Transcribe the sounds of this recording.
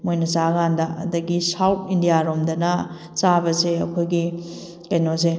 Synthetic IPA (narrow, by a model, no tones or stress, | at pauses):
mojnɐsaɡandɐɐ̰dɐɡisawt̚ʰindijaɾomdɐnɐ | t͡ʃabɐseɐkʰojɡi | kɐjnos̬e